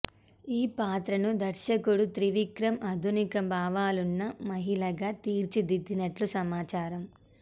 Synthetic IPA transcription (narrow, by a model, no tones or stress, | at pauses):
iːpaːt̪ɾɐnud̪ɐɾʃɐkuɽut̪ɾiʋikɾɐmʔɐd̪ʱunikɐbʱaːʋaːlunːɐmɐɦiɭɐɡaːt̪iːɾt͡ʃid̪id̪ːinɐʈlusɐmaːt͡ʃaːɾɐm